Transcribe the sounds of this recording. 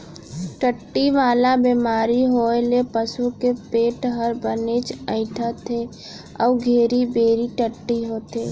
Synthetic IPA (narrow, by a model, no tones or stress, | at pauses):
ʈəʈːiʋaːlabeːmaːɾiɦoːelepəsukepeːʈɦəɾbəneːt͡ʃə̃ɪ̃ʈʰat̪ʰe | ɔ̰ːɡʱeːɾibeːɾiʈəʈːiɦoːt̪ʰeː